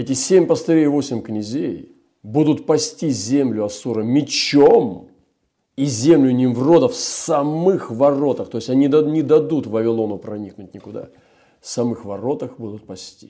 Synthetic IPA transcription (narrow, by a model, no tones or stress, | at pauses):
ɛtʲɪsʲemʲpəst̪ɐɾʲevo̞sʲɪmʲknʲɪzʲej | bud̪ʊt̪pɐsʲtʲizʲemlʲʊɐsuɾəmʲɪt͡ɕom | izʲe̞mlʲʊnʲɪmvro̞d̪əfsɐmɨxvɐro̞t̪əxt̪o̞ɪsʲɐnʲid̪nʲɪd̪ɐd̪ut̪vəvʲɪlˠo̞nʊpɾɐnʲiknʊtʲnʲɪkʊd̪a̰ | sɐmɨxvɐɾo̞t̪əxbud̪ʊt̪̚pɐsʲtʲi